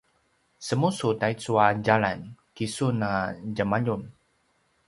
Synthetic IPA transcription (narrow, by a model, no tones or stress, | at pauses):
səmusutajt͡suad͡ʒalankisunad͡ʒamaʎun